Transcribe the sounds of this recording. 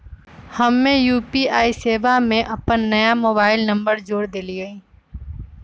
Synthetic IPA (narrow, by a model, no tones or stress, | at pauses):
həmːẽːjuːpiːaːiːseːʋaːmẽːʔəpənːəjaːmoːbaːɪlnəmbəɾd͡ʒoːɽd̪eliːɡəĩː